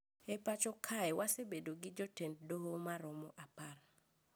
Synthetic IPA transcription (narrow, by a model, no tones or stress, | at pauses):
epat͡ʃɔkʰaɛwʔasebedoɡɪd͡ʒɔtend̚doɦomaɾɔmɔʔapar